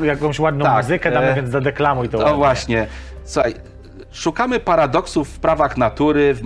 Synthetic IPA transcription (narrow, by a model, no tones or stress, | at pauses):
jakɔ̃w̃ɕwad̪nɔ̃mauzɘkɛd̪avʲjɛnd̪ad̪ɛklamuit̪ɔɔvwaɕɲɛt̪suxaj | ʂukamɘpaɾad̪ɔksufːpɾavaxnat̪uɾɘv